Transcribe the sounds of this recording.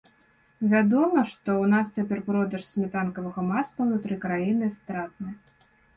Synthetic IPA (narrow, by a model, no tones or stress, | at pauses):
vʲad̪ɔmɐʂt̪ɔwnast͡sʲapʲɛrpɾɔd̪ɐʂsʲmʲɛt̪ankɐvɐɣɐmast̪ɐnut̪ɾɨkɾajinɨst̪ɾat̪̚nɨ